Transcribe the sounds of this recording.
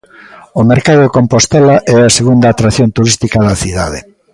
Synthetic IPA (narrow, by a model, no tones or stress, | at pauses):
omeɾkaðokompost̪ɛlaʔɛaseɣund̪aːt̪ɾaθjont̪uɾist̪ikaðɐθiðaðe